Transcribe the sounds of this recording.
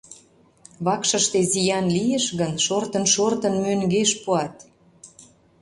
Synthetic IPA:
βɑkʃə̆ʃt̪ezijɑnlijəʃɣənʃort̪ənʃort̪ə̆nmøŋɡeʃpuɑt̪

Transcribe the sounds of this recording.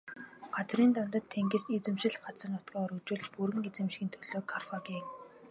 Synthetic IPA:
ɢ̥at͡sriːnt̪ɔnt̪ə̆t̪ʰːeŋɡĕst̪et͡sɘ̆mʃɪ̆ɮɢat͡sə̆nʊt̪ɡɔːɔɾɵt͡ɕuːɮt͡ɕpuɾɘ̆ŋet͡sɘ̆mʃxɘ̆nt̪ʰɵɮ̥oːkʰarfaɡiːŋ

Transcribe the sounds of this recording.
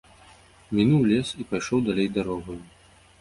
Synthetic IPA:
mʲinuwlʲɛsipajʂɔwd̪alʲejd̪aɾɔɣɐju

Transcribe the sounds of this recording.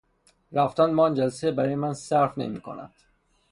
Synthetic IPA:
ɾæft̪ænmɒːnd͡ʒælsebæɾɒːjemænsæɾfnḛmiːkʰo̰næ̰nd̪̥

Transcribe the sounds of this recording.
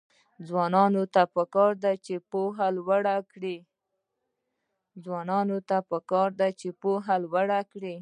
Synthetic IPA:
d͡zwɑnɑnot̪apəkɑɾd̪at͡ʃepoɦalwaɽakɽi | d͡zwɑnɑnot̪apəkɑɾd̪at͡ʃepoɦalwaɽakɽi

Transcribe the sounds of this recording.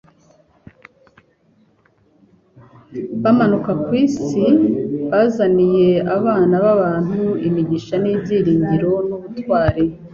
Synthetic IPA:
βamanukakwiːsiβazanije̞aβaːnaβaβaːn̥huimiɟiʃaniːbɟiːɾiːɲɡiɾo̞nuβutwaːɾe

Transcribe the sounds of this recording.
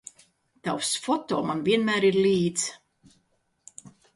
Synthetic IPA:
t̪awsfɔt̪ɔːmanviɛnmæːɾiɾlʲiːt̪s

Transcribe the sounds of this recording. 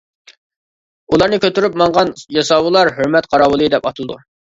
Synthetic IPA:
ulˠɑɾnɨkʲøt̪yɾyp̚mɑŋʁɑnjɑsɑwɨlˠɑɾɦøɾmɛt̪qʰɑɾɑwɨlˠɨd̪ɛpɑt̪ʰɨd̪ṵ

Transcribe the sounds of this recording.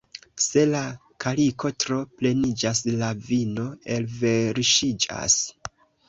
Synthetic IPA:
se̞la | kʰaliko̞tɾo̞ple̞nid͡ʒaslavino̞e̞lve̞ɾʃid͡ʒa̰s

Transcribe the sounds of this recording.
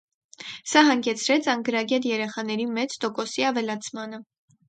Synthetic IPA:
sɑɦɑŋɡɛt͡sʰɾɛt͡sʰɑŋɡəɾɑɡɛt̪jɛɾɛχɑn̪ɛɾimɛt͡sʰt̪ɔkɔsiɑvɛlɑt͡sʰmɑnə

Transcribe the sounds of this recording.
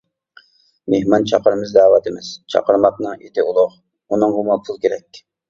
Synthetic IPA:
mehmɑnt͡ʃʰɑqəɾmɨzd̪ɑːwɑt̪ɪmɪz̥t͡ʃʰɑ̰qəɾmɑq̚nɨŋet̪ʰɪulˠʊʁ | unɨŋʁʊmɑlˠpʰulˠkʲeɾɛkʲ

